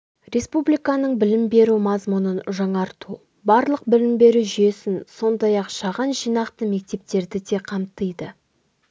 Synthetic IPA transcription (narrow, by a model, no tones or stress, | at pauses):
re̞spublijkɑnəɴbɪlɪmbe̞ɾumɑzmunənʒɑɴɑɾt̪ʰu | bɑɾlˠəq̚bɪlɪmbe̞ɾuʒʏje̞sɪnso̞nd̪ɑjɑqʃɑʁɑnʒijnɑqt̪əme̞k̚t̪e̞p̚t̪e̞ɾd̪ɪd̪e̞qʰɑmt̪əjd̪ə